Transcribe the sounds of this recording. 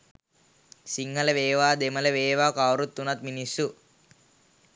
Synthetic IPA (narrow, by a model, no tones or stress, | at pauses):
siŋːɐlɐʋeːʋaːd̪emɐlɐʋeːʋaːkaːwɾut̪ːunɐt̪minisu